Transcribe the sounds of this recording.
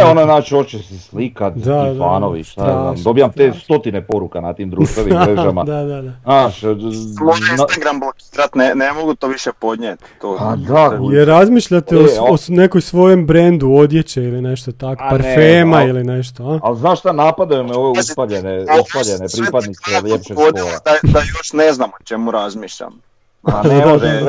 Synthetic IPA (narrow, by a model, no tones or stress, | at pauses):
eonanaːt͡ʃiot͡ʃesislikat̪d̪ad̪fa̰ːnoʋḭʃt̪aa̰d̪o̞bijamt̪est̪o̞t̪inepo̞ɾukanat̪imd̪ɾuʃt̪ɾeʋiɾeʒamad̪ad̪ad̪anaːʃonŋɡɾambloki̥ɾat̪nenemoɡut̪oʋiʃepo̞d̪ɲʲet̪ː | oad̪ajeɾːazmiːʃʎat̪eoone̞kojsʋo̞je̞mbɾend̪uo̞d̪jet͡ɕeiline̞ʃt̪ot̪ako̥paɾfeːmailineʃt̪oalznaːʃt̪anaːpad̪ejumeoʋeuspaʎeneuspaʎenepɾipad̪niseʎepʃepoolad̪ad̪ajoʃneznamot͡ʃemuɾazmiːʃʎa̰m | naad̪